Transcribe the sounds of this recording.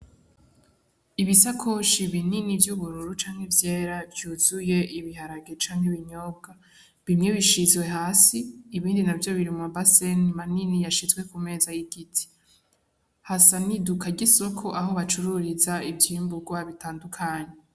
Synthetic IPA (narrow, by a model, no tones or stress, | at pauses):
iβisakʰo̞ʃiβininivjuβuɾuɾut͡ʃaːŋ̥hevjeːɾavjuːz̥uje̞ʔiβiɦaɾaɡet͡ʃaːŋheβiɲo̞ːb̚ɡa | βimɲe̞βiʃizwe̞ɦaːsiːβiːndinavjo̞βiɾimuabasenimaninijaʃizɡwe̞kume̞ːzajiɡitʰi̥ | hasanidukʰaɟiso̞kʰo̞ʔaho̞βat͡ʃuɾuɾizaibjiːmbuɡwaβitaːndukʰaːɲe